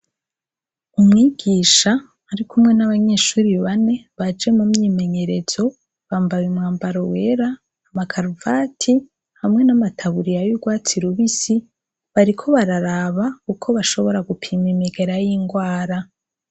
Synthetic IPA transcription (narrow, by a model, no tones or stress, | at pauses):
umŋiːɡ̥iːʃaː | ɾikumŋe̞naβaɲe̞ːʃuːɾiβane̞βad͡ʒe̞mumɲime̞ɲe̞ɾe̞z̥o̞ | βaːmbaβimŋaːmbaɾowe̞ːɾaː | makʰaɾuvaːtʰi | hamŋe̞namatʰaβuɾijajuɡwaːt͡siɾuβisi | βaɾikʰo̞βaɾaɾaβaukʰo̞βaʃo̞βo̞ɾaɡupʰiːmemeɡe̞ɾajiŋɡwaːɾa